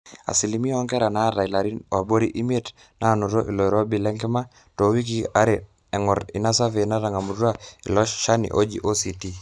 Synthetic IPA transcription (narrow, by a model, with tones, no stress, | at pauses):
a̰˨si˨limi˦ɔ˦ŋɡɛ˦ɾa˨na˦ɾa˨i˨la˨ɾi˦wa˨bo˦ɾi˦ʔi˦me˦t | na˦˨no˨ɾɔ˦ʔi˨lɔ˨i˨ɾɔ˦bi˨lɛ˦ŋɡɛ˦ma˦ | to˨wi˦k̬i˦a˦ɾe˨ | ɛ˨ŋɔ˨ɾi˨na˦sa˦ve˨na˦ɾa˨ŋa˨mu˨ɾu˦a˦ḭ˨lɔ˦ʃa˦nḭ˨ʔo˦d͡ʒḭ˨ʔo˦si˨ti˦